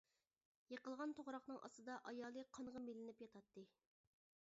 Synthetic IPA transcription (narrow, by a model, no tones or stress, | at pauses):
jeqəlˠʁɑnt̪ʰoʁɾɑqnɨŋʔɑ̰st̪ɨd̪ɑʔɑjɑːlˠɨqʰɑŋʁɑmelɪnɪpjɑt̪ʰɑt̪ːɨ